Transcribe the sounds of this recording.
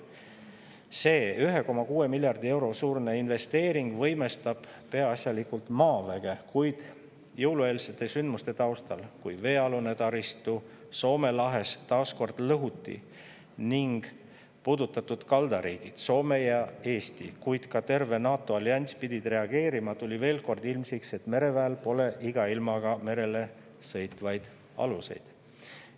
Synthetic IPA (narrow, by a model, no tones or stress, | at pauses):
se̞ːyɦe̞ko̞mɑkuːe̞milʲjɑrd̪ie̞wɾo̞suːrne̞inve̞st̪e̞ːɾiŋɡ̥vɤ̞jmest̪ɑb̥ | pe̞ɑɑsʲjɑlikult̪mɑːvæɡ̥e̞kujd̪̥ | jɤwlue̞ːlse̞t̪ːˑe̞synd̪must̪e̞t̪ɑwst̪ɑ̰lkujve̞ːɑlune̞t̪ɑɾist̪u | so̞ːme̞lɑɦe̞st̪ɑːsko̞rd̪̥lɤɦut̪ːˑḭ | niŋɡ̥ | pud̪ut̪ːˑɑt̪ːˑud̪̥kɑld̪̥ɑɾiːɡ̥id̪̥so̞ːme̞jɑe̞ːst̪ikujd̪̥kɑt̪e̞rve̞nɑːt̪ːˑo̞ɑlʲjɑnʲspid̪̥ʲid̪̥re̞ɑɡ̥e̞ːɾimɑt̪ulʲive̞ːlko̞rd̪ilmsikse̞t̪me̞ɾe̞væelpo̞le̞ʔiɡ̥ɑilmɑɡ̥ɑme̞ɾe̞le̞ | sɤ̞jt̪ˑvɑjd̪̥ | ɑ̰luse̞̰jd̪̥